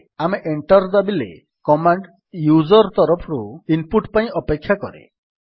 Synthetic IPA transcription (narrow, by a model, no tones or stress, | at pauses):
ameʔeɳʈɔɾd͡ʒabilḛ | kɔmaɳɖ | jud͡ʒɔɾɔt̪ɔɾɔpʰɔɾuimpuʈpaĩʔɔpekʰːjakɔɾḛ